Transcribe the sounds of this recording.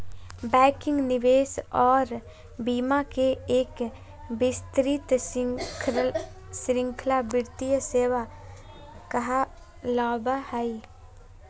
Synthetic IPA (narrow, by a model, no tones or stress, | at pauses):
bɛːkɪ̃ŋɡnɪʋeːsɔːɾ | biːmakeeːk | bɪst̪ɾɪt̪kʰ | sɾɪ̃ŋkʰlabɪɾt̪ijəseːʋa | kɐɦa | lɔːbahɛi